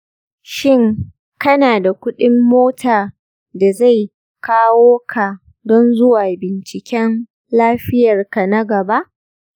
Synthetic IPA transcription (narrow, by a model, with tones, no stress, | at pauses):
ʃɪ˦˨ŋ | kɐ˦naː˨da˨kʷʊ˦ɗɪ˦mːoː˦tʰaː˨ | da˨za˦˨j | kaː˦woː˦kʰa˨ | dɔ˦nzʊ˦waː˨bɪ˨nt͡ʃɪ˨kʲɛ˦n | laː˦ɸɪ˦jɐ˨rka˨na˦ɡɐ˨ba˦ʔ